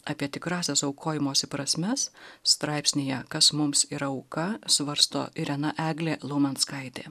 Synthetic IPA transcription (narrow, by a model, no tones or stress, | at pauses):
ɑːpʲiɛt̪ʲɪkɾɑːsʲɛsɐʊkʰoːjɪmoːsʲɪpɾɐsʲmʲɛsst̪ɾɑˑɪpʲsʲnʲejɛkɐsmʊmsiɾɐɐʊkɐsʋɐɾst̪o̰ːɪɾʲɛnɐʔæːɡlʲeːlˠoːmʲɐnskɐɪt̪ʲeː